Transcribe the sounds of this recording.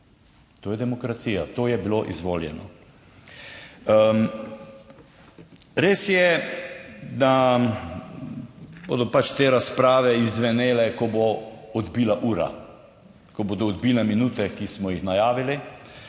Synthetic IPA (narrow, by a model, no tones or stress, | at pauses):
t̪oːjɛd̪ɛmɔkɾat̪siːjat̪oːjɛbiloʔḭzʋoːljɛ̰nɔ̰ | ɾeːsjɛ | d̪a | bo̰ːd̪ɔpat͡ʃt̪eːɾaspɾaːʋɛizʋɛneːlɛkɔboɔd̪biːlaʔuːɾa̰ | kɔboːd̪ɔːd̪biːlɛminut̪ɛkismɔjixnajaːʋili